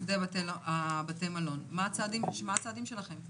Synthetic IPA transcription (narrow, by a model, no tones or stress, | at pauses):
zeabatelabatejmalo̞nmaːt͡saːd̪immaat͡saːd̪imʃe̞laχe̞m